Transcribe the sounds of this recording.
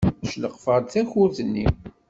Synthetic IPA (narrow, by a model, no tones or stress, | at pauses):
ʃləqːfəɾθæçʊɾθənːḭm